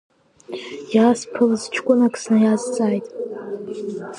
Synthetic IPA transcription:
jaspʰɨlzt͡ʃʰkʷʼʊnakʼsnɨjazt͡sʼaːjtʼ

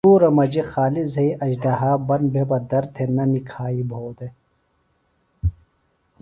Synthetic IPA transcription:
uːɾɐmɐd͡ʑexaːlizɐiɐd͡ʑd̪ɐɦaːbɐn̚bʱebɐd̪ɐɾt̪ʰenɐnikʰaːibʱoːd̪e

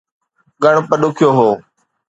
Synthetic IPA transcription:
ɠəɽ̃pəɗʊkʰɪjoːɦoː

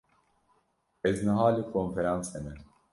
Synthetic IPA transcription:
ɛznɨɦaːlikʰonfeɾanshɛmɛ

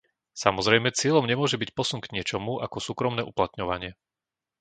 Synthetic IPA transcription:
samɔzɾɛjmɛt͡sɪɛlɔmɲɛmʊɔʒɛbicpɔsunɡɲɪɛt͡ʃɔmuʔakɔsuːkɾɔmnɛːʔuplat̪ɲɔʋaɲɪɛ

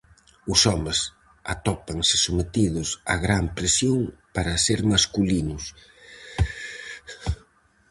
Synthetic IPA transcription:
ʊsɔmes | at̪ɔpaŋsɪ̥somet̪iðʊsa̰ɣɾampɾesjoŋpaɾɐseɾmaskulinʊs

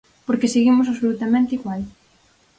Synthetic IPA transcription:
poɾkeseɣimʊs̬aβsolut̪amẽnt̪iɣwal

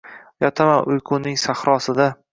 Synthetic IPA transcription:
jɒt̪ʰamanʔʊjqʰʊnɪŋsaχɾɒsɪd̪a

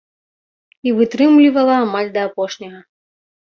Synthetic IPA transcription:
ivɨt̪ɾɨmlʲivɐlˠɐamalʲd̪ɐːpɔʂnʲɐɣɐ

